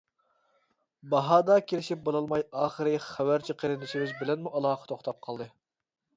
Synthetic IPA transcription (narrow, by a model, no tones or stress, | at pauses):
bɑɦɑːd̪ɑkʲʰelɪʃip̚bolˠɑlˠmɑjɑːχəɾɨχæwæɾt͡ʃʰiqʰəɾɪnɪʃiwɪzbɪlɛnmuʔɑlˠɑːqʰə̥t̪ʰoχt̪ʰɑp̚qʰɑlˠd̪ɨ